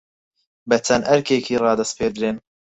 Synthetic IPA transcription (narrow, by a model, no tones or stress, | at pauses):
bɐt͡ʃʰɐnʔɐɾkeːkʰiːrɑːd̪ɐst̪pʰeːd̪ɾeːn